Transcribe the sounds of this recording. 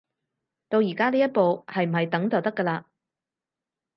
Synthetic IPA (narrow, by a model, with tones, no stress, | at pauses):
t̪o˧wjiː˨˩kaː˥liː˥jɐ˥t̚po˨˧whɐ˨jm̩˨˩hɐ˨jt̪ɐ˨˥ŋt͡sɐ˨wt̪ɐ˥kːə˧laː˧